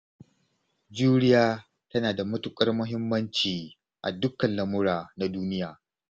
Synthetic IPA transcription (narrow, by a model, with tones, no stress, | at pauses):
d͡ʒuː˦ɽɪ˦jaː˦ | tɐ˦naː˨da˨mʊ˦tʊ˦kʼɐ˦rmʊ˦ɦɪ˦mːɐ˦nt͡ʃiː˨ | ʔa̰˨dʊ˦kːɐ˨nlɐ˨mʊ˦ɽaː˨na˦duː˦nɪ˦jaː˨